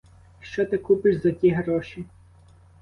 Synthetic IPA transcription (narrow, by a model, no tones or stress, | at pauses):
ʃt͡ʃɔt̪ɪkupɪʃzɐtʲiɦɾɔʃi